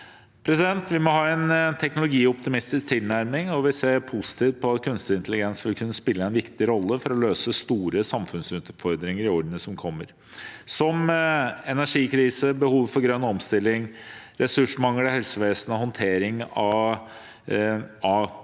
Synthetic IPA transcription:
pʰɾɛsɪd̪ɛnt̪ʰʋɪmɔɦɑːɛnt̪ʰɛknʊlʊɡiːɔpt̪ɪmɪst̪ɪsk̚t̪ʰɪlnæɾmɪŋɔʋɪseːpʰusɪ̥t̪iːʋt̪̚pʰɔɑt̪kʰʉnst̪əɪnt̪əlɪɡɛnsʋɪlkʰʉnːəspɪlːəɛnʋɪkt̪ɪɾɔlːəfɔɾɔløːsəst̪uːɾəsɑmfʉnsʉːt̪fɔɾd̪ɾɪŋəɾɪɔɾɖ̪nəsɔmkʰɔmːəɾ | sɔmɛnæʂiːkʰɾiːsəbəhuːʋfɔɾɡɾœnːɔmst̪ɪlːɪŋ | ɾɛsʉʂmɑŋləhɛlsəʋeːsənəhɔnt̪ʰeːɾɪŋɑ | ɑ

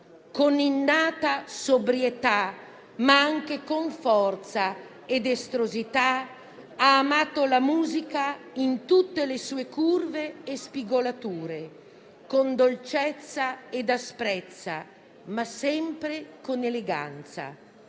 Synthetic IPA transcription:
koninːaːt̪asobɾjet̪a | maaŋk̟ekoɱfɔrt̪sa | ed̪est̪ɾozit̪a | aːmaːt̪olamuːzika | int̪ut̪ːelesuːekurveːspiɡolat̪uːɾe | kond̪olt͡ʃɛt̪sːaed̪aspɾɛt̪sːa̰ | masɛmpɾekoneleɡa̰nt̪sa̰

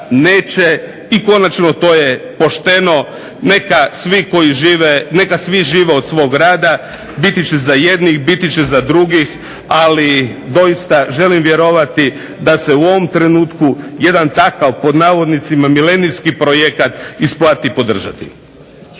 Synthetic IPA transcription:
neːt͡ʃe | iko̞nat͡ʃno̞t̪o̞ːje̞po̞ʃt̪e̞no̞ | nekasʋiko̞jiʒiːʋene̞kasʋiʒiːʋeo̞d̪sʋo̞ːɡɾaːd̪a | bit̪it͡ɕezajed̪nixbit̪it͡ɕezad̪ɾuɡix | alid̪o̞jist̪aʒe̞limʋje̞ɾo̞ʋat̪i | d̪ase̞uo̞ʋo̞mt̪ɾe̞nuːt̪kuje̞d̪ant̪akaʋpo̞d̪naːʋo̞d̪nit̪simamilenijskipɾojekat̪isplaːt̪ipo̞d̪r̩ʒa̰t̪ḭ

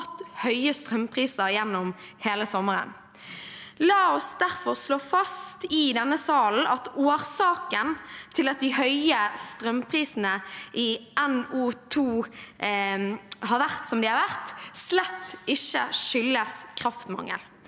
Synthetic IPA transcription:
t̪ːhœʏəst̪ʁœmpʰʁiːsəɾjɛnːɔmheːləsɔmːəʁə̰n | lɑːɔsd̪æʁfɔʁsloːfɑst̪ɪd̪ɛnːəsɑːln̩ɑt̪oːʁsɑːkənt̪ʰɪlɑt̪̚d̪ɪhœʏəst̪ʁœmpʰʁiːsnəʔɪɛnuːt̪ʰuː | hɑːɾʋæʁt̪sɔmd̪ɪhɑɾʋæʁt̪slɛt̪ːɪʃːə̰ʂʏlːəskʰɾɑft̪mɑ̰ŋːə̰l

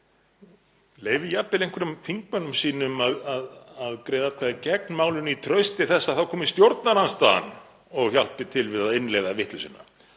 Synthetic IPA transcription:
leːjvɪjapːɪlejŋkʰɛɾʏmθiŋk̚manʏmsiːnʏmaðaðaðkɾeːjðat̪̚kʰvaðɪcɛk̚nmaːwlʏnit̪ʰɾœɥst̪ɪθɛsːaðθawkʰɔːmɪst̪jowɾt̪naɾanst̪aa̰n | ɔɣçal̥pɪt̪ʰɪlvɪðaðɪnlejðavɪht̪lʏsɪnːa̰

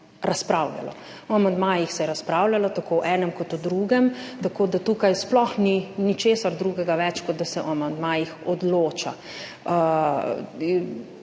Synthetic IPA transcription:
ɾaspɾawla̰lɔ̰ | ɔamand̪majixsɛjɛɾaspɾaːwlalɔt̪akoːʔɛːnɛmkɔt̪ud̪ɾuːɡɛmt̪akoːd̪at̪ukajsplɔxninit͡ʃeːsaɾd̪ɾuɡɛɡaʋɛt͡ʃkɔt̪̚d̪asɛʔɔamand̪majixɔd̪loːt͡ʃa̰

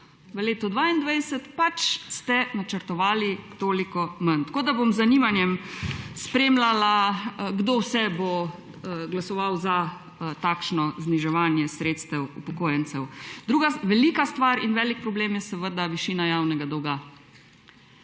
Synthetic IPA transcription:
ʋəleːt̪ɔd̪ʋaind̪ʋajsət̪pat͡ʃst̪ɛnat͡ʃəɾt̪ɔʋaːlit̪oːlikɔmənt̪koːd̪abomzːaniʋanjɛmspɾeːmlalaɡd̪oːwsɛbo | ɡlasɔʋawza | t̪aːkʃnɔzniʒɛʋaːnjɛsɾeːt̪st̪ɛwupɔkoːjɛnt̪sɛwd̪ɾuːɡaʋɛliːkast̪ʋaɾinʋɛːlik̚pɾɔbleːmjɛsəʋəd̪aʋiʃiːnajaːwnɛɡad̪ɔwɡa

